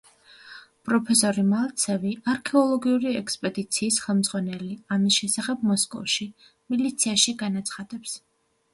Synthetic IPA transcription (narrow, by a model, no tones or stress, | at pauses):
pʼɾɔpʰɛsɔɾimalˠt̪sʰɛviaɾkʰɛɔlˠɔɡiuɾiɛkspʼɛd̪it̪sʰiːsχɛlˠmd̪z̥ʼʁwanɛliamisʃɛsaχɛb̚mɔskʼɔ̰fʃi | milit̪sʰiaʃiɡanat̪sʰχad̪ɛps